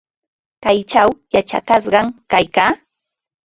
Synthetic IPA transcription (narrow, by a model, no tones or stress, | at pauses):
kajt͡ʃawjat͡ʃa̰kas̬ɢɑŋkajkaː